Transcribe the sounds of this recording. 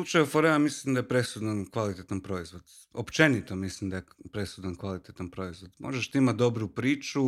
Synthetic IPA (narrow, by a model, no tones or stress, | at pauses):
lut͡ʃajufoɾeamislimd̪ajepɾesud̪ankʋalit̪et̪anpɾo̞izʋo̞d̪̥ | opt͡ʃe̞nit̪omislimd̪ajepɾe̞sud̪ankʋalit̪et̪anpɾo̞izʋo̞d̪mʔo̞̰ʒeʃt̪iimat̪̚d̪o̞bɾupɾiːt͡ʃu